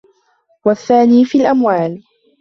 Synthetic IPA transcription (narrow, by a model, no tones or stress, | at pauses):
waθːaːniːfiːlʔamwaːl